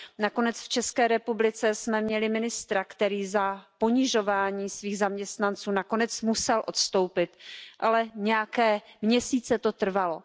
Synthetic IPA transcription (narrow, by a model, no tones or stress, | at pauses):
nako̞nɛt͡sft͡ʃɛskɛːɾɛpublɪt͡sɛsmɛmɲɛlɪmɪnɪst̪ɾakt̪ɛɾiːzapo̞ɲɪʒo̞vaːɲiːsviːɣzamɲɛst̪nant͡suːnako̞nɛt͡smusɛlʔo̞t̪st̪o̞wpɪt̪ʔalɛɲɛjakɛːmɲɛsiːt͡sɛt̪o̞t̪r̩valo